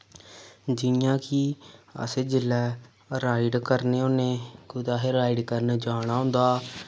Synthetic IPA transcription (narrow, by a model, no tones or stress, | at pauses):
d͡ʒɪnjãːkiə̰seːd͡ʒɪlːɛː | ɾaːiɖkəɾneːoneːɡʊd̪aːɦɪɾaːiɖkəɾnd͡ʒaːɽ̃aːɦʊ̃nd̪aː